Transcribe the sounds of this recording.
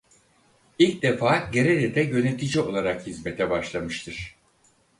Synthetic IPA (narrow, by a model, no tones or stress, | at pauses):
ilʲc̚d̪efaːɟe̞ɾeɾɛd̪ɛjø̞ne̞t̪ʰid͡ʒio̞lˠaɾakhizme̞t̪ʰɛbaʃlˠamɯʃt̪ʰɯɾ̥